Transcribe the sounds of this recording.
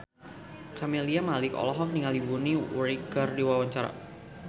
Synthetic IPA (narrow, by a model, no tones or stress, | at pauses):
kʰameliamalɪkɔ̰lɔɦɔk̚niŋaldibuniwɾikərdiwawaɲt͡ʃaɾa̰